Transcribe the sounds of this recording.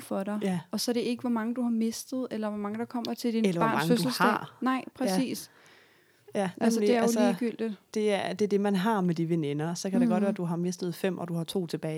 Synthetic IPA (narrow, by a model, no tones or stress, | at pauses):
fɒɾɑ̈ɪæɒ̽sɒ̽ɾe̝e̝ɡ̥əʋɒmɑ̈ŋəd̥uhɑ̈me̝sd̥ð̞̩ˠelɐʋɒmɑ̈ŋəd̥ɑ̈kʰɒ̽m̰ɐt͡sʰe̝ld̥inelɐbɑ̈nmɑsŋfø̥ul̩sɑɛ̰nɑ̈ɪ̰pʰʁɛsḭːs | jæælsəd̥e̝æɐæjosləiɡ̥yl̰d̥id̥d̥e̝æd̥e̝ɐd̥e̝mænɦɑ̈med̥iʋene̝nɐsɒ̽kʰæd̥eɡ̥ɒ̽d̥̚ʋæːɐd̥uɦɑ̈me̝sd̥ð̞̩ˠfem̰ʔɒ̽d̥uhɑ̈t͡sʰo̝̰ːt͡sʰe̝b̥ɛː